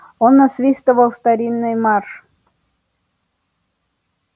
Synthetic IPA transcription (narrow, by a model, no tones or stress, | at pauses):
onːasvʲist̪əvəlˠst̪aɾʲinːɨjmɑrʂ